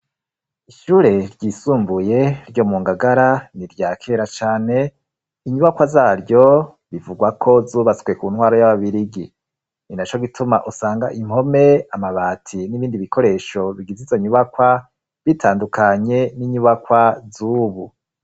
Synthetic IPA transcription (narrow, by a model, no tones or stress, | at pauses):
iʃuːɾe̞ɾɟiːsuːmbuje̞ɾɟo̞muːŋɡaɡaɾaniɾɟaːkʰe̞ɾat͡ʃaːne̞ | iɲuβakwazaːɾɟo̞ | βivuɡwakʰo̞zuːβat͡swe̞kuːnhwaːɾojaβaβiɾiɡi | ninat͡ʃo̞ɡitʰuma̰ʔusaːŋɡaʔimho̞me̞amaβaːtʰiniβiːndiβikʰo̞ɾe̞ʃo̞βiɡizizoɲuβakwa | βitʰaːndukaɲe̞niɲuβakwazuːβu